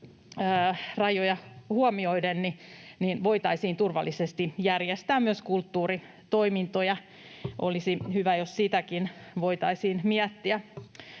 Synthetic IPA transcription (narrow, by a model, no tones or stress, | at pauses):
əːrɑjojɑhuomioidennininʋoit̪ɑisiːnt̪urʋɑ̰lːˑisest̪ijærjest̪æːmmyøskult̪ːuːri | t̪oimint̪ojɑ | ʔo̰lisihyʋæjossit̪ækinʋoit̪ɑisiːnmiæt̪ːiæ